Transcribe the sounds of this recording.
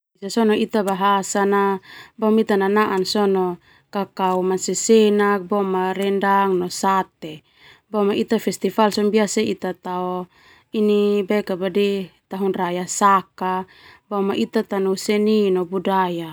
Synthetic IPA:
isasɔnɔit̪abaɦasanabamit̪ananaʔansɔnɔ | kakaumansɛsɛnak̚bɔmaɾɛndaŋnɔsat̪e | bɔmaʔit̪afɛst̪ifalsɔmbiasait̪at̪aɔ | inibɛkabadit̪aɦunrajasaka | bamaʔit̪at̪anusɛninɔbudaja

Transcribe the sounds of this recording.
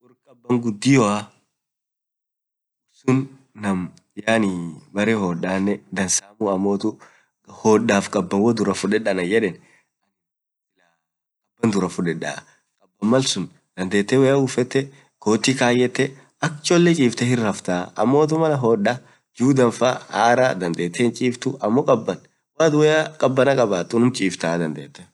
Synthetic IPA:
ʊɾkʼɐbːɐŋɡʊd̪ːɪjɔɐ | ʊsʊnː | ɐm | jaːnibɐɾɛhɔᶑaːnːɛd̪ɐnsaːmuɐmːoːt̪ʊ | hɔːɗːaːfkʼɐbːɐnwɔd̪ʊɾɐfʊᶑɛᶑɐnɐjɛᶑɛn | ʔɐnɪ | ɪla | kʼɐbːɐnd̪ʊɾɐfʊᶑɛᶑːa̰ː | kʼɐbːɐmːɐlsʊn | d̪̥ɐnd̪eːt̪ːɛwɛjaufɛt̪ːɛ | koːt̪ːikaːjɛt̪ːɛ | ɐkt͡ʃʼɔlːɛt͡ʃʼiːft̪ɛhɪrːɐft̪aːɐ̰mːoːt̪̬ʊmɐlɐɦɔːᶑːa | d͡ʒuːd̪ɐnfahaːɾaːd̪ɐnd̪eːt̪ːɛnt͡ʃʼiːft̪ʊʔɐmːɔkʼɐbːɐn | waːt̪ʊwɛjaːkʼɐbːɐnɐkʼɐbaːt̪ːʊnʊmt͡ʃʼiːft̪aːd̪ɐnd̪eːt̪ːɛ

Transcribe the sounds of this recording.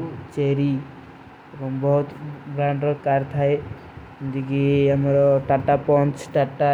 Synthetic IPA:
t͡ʃeɾi | kɔmbɔɦut̪bɾãɳɖɾɔkaɾt̪ʰae | nd͡ʒ̪iɡiamɾɔʈaʈapɔnt͡ʃʰʈaʈa

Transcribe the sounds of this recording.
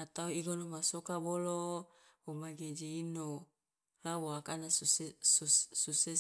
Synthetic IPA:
at̪awiɡonomasokaboloomaɡed͡ʒiino | lawoakanasusususe

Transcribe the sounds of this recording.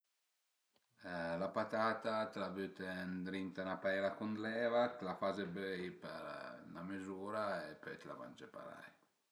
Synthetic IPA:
lapat̪at̪at̪labyt̪end̪ɾint̪anapajlakund̪lɛvat̪lafazebejpɛɾnamezuːɾaepøjt̪la̰va̰nd͡ʒepa̰ɾa̰j

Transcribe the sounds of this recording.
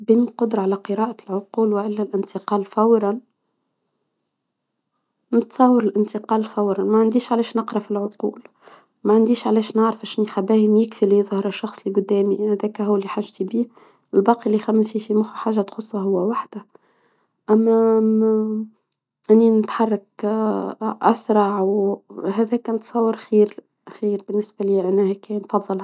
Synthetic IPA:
biːnqʊd̪ɾˤɑʕalæqəɾɑːʔælʕʊquːlwɪʔɪlːælʔɪnt̪ɪqɑːlfæwɾˤɑn | nɪt̪sˤɑwɑɾɪlʔɪnt̪ɪqɑːlfæwɾˤɑnmæʕand̪iːʃʕalɛːʃnɑqɾˤɑfilʕʊquːl | mæʕand̪iːʃʕlɛːʃnɪʕɾəfæʃnixæbæːhimjɪkfiliðˤhɑɾˤɑʃːɑxsˤliɡʊd̪ːɛːmihæðæːkæhʊwːælːiħaʒt̪ibiː | ɪlbɑːqiʔlːixæmːfifimʊxħaːʒːæt̪xʊsˤːɑɦʊwːæwaħd̪æ | ʔæmːæ | ʔɪnːinɪt̪ħɑrˤːɑk̚ | ʔa̰sɾˤɑʕwɦɛðɛːkænt̪sˤɑwːɑɾxiːɾ | xiːɾbɪnːɪsbæliːʔænːæhɛkænfɑðˤːɨl

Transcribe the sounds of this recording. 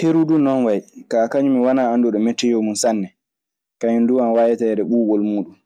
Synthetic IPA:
teɾuɗunɔnwajkakaɲumiwanaandɔɗɔmɛtːɛjɔmunsanːɛ | kaɲunduanwaːjɛtajɛɗɛɓuːɡɔlmuːɗum

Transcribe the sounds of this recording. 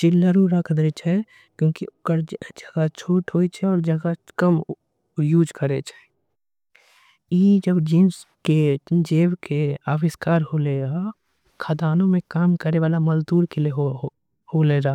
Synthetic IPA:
t͡ʃɪlːəɾuɾakʰd̪ɾet͡ʃʰɛ | kjõːkiʊkəɾd͡ʒd͡ʒɐɡat͡ʃʰoːʈɦoːit͡ʃʰɛɔːɾd͡ʒɐɡakəm | juːd͡ʒkəɾet͡ʃʰɛ̥ | jeːd͡ʒəbd͡ʒiːns | ked͡ʒeːwkeaːwɪskaːɾholeːɡa | kʰad̪aːnõmẽkaːmkəɾeʋaːlamɐzd̪uːɾkelieɦ | hoːleːɾaː

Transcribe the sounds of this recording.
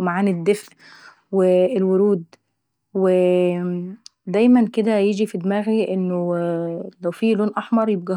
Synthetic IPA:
maʕaːnɪd̪ːefʔ | weːlwoɾuːd̪ | we | d̪æjmænked̪æjed͡ʒifid̪mæːɣiʔenːo | læwfiːloːnʔɑħmɑɾˤjeb̚ɡæ

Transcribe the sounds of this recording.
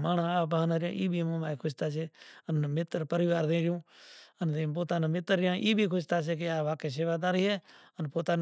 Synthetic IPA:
maːnãːaːbaɦnaːɾɪjãːʔiːbʱiːmõːbaːikʰʊʃt̪aːseːənmɪt̪əɾpəɾɪʋaːɾd̪ẽːɾɪjũːənd̪eːp̬oːt̪aːnãːmɪt̪əɾːjãːʔiːbʱiːkʰʊʃt̪aːs̬eːk̬eaːʋaːkeːs̬eːʋaːd̪aːɾiɛːənpoːt̪aːn

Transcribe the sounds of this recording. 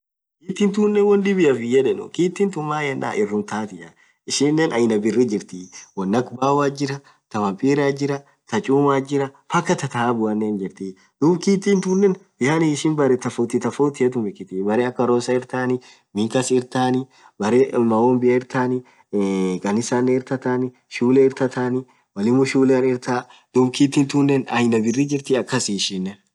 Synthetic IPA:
kiːt̪ːiːnt̪uːnːɛnwɔnd̪ɪbɪjɐfɪjːɐᶑɛnʊ̰kiːt̪ːiːnt̪ʊmːaːjɛnːa̰ːʔɪrːʊnt̪aːt̪ɪjɐ | ɪʃɪnːenʔɐjnɐbɪrːid͡ʒɪɾt̪iwɐnːɐkbaːwaːd͡ʒɪɾɐ | t̪ɐwɐpʼiːɾaːd͡ʒɪɾɐ | t̪ɐt͡ʃʼuːmaːd͡ʒɪɾɐfɐkːɐt̪ɐt̪ɐaːbʊɐnːeːnd͡ʒɪɾt̪i | d̪̥uːbkiːt̪ːint̪unːɛnbɪhaːnɪɪʃɪnbɐɾɛt̪ɐfoːt̪it̪ɐfoːt̪ɪɐd̪ʊmɛkːɪt̪ɪbɐɾeɐkːɐɾoːsɐɪɾt̪aːnɪ | mɪkɐsɪɾt̪aːnɪ | bɐɾemɐoːmbɪjɐɪɾt̪aːnɪ | kʼɐnɪsaːnːɛɪɾt̪ɐt̪aːnɪ | ʃuːlɛɪɾt̪ɐt̪aːnɪ | wɐlɪmʊʃuːlanɪɾt̪aːd̪̥ubkiːt̪ːiːnt̪unːɛnɐjnɐbɪrːid͡ʒɪɾt̪ɪɐkːɐsiʃinːɛ

